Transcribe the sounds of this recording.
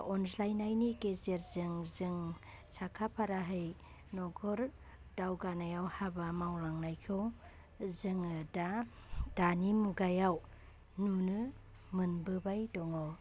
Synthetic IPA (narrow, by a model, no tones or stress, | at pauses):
ɔnslajnajnikezeɾzɯŋzɯŋ | sakʰapʰaɾaɦɯj | nɔɡʰɔɾ | dawɡanajawhabamawlaŋnajkʰɯw | zɯŋɯda | d̥animuɡajaw | nunɯ | mɯnbɯbajdɔŋɔw